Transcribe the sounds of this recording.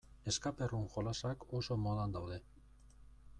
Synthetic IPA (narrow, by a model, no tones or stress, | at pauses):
eskaperuŋxolasakosomoðand̪awðe̞